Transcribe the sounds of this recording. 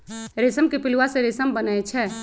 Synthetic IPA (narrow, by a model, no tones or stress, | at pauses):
ɾesəmkepiluwasẽɾesəmbənajt͡ʃʰɛ